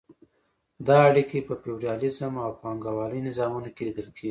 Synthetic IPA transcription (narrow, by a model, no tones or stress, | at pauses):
d̪ɑaɽikepəpewd͡ʒɑlɪzəmawpɑŋɡawɑləjnɪzɑmunokelid̪əlkeɡi